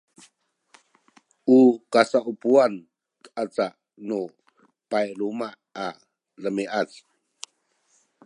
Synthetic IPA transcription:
ʔukasaʔupuan | kəʔat͡saʔ | nu | pajlumaʔa | ləmiʔat͡s

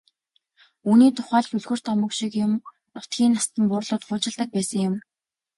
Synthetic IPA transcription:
uːniːt̪ʰʊ̥χæːɮ̆ɵɮxɵ̆r̥t̪ɔmə̆kʃikjʊm | nʊt̪ɡʲiːnast̪ə̆mpʊːrɮʊːt̪χʊːt͡ɕɪ̆ɮt̪ə̆k̚pæːsə̆ŋjʊm

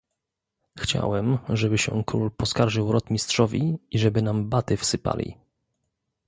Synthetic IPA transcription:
xt͡ɕa̰wɛmʐɛbɘɕɛ̰kɾṵlpɔskaɾʐɘwɾɔt̪mʲistʂɔvʲiiʐɛbɘnambat̪ɘfsɘpa̰lʲḭ

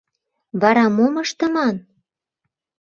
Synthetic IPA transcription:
βɑɾɑmoməʃt̪ə̆mɑn

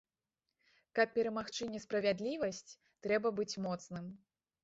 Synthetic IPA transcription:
kɐpːʲɛɾɐmaxt͡ʂɨnʲɛspɾɐvʲad̪lʲivɐsʲt͡sʲ | t̪ɾɛbɐbɨt͡sʲmɔt̪snɨm

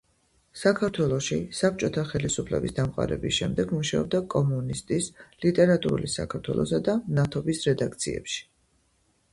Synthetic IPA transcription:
sakʰaɾt̪ʰwɛlˠɔʃisap̚t͡ʃʼɔt̪ʰaχɛlisupʰlɛ̰bisd̪amqʼa̰ɾɛ̰bisʃɛmd̪ɛɡmuʃaɔb̚d̪akʼɔmunist̪ʼislit̪ʼɛɾat̪ʼuɾṵlisa̰kʰaɾt̪ʰwɛ̰lˠɔ̰sad̪anat̪ʰɔbisɾɛd̪ak̚t̪sʰiɛ̰pʃi̥

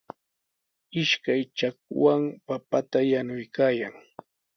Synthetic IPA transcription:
ɪʃkajt͡ʃak̚waŋpapat̪ajanʊjkaːjaŋ

